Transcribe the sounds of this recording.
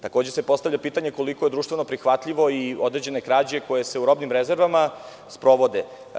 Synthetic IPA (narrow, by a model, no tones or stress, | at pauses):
t̪ako̞ːd͡ʑe̞se̞po̞st̪avʎʲapiːt̪aɲe̞ko̞liko̞je̞d̪ɾuːʃt̪ʋe̞no̞pɾixʋat̪ʎiʋo̞iod̪ɾed͡ʑe̞nekɾaːd͡ʑe̞ko̞je̞se̞uɾo̞bnimɾeze̞ɾʋama | spɾo̞ʋo̞d̪e